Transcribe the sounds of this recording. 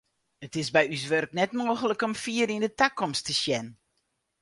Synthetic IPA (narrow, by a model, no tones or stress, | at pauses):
ətɪsbɛjys̬ʋørknɛtmoːɣələkɔmfiəɾindətakɔmstʰəsjɛn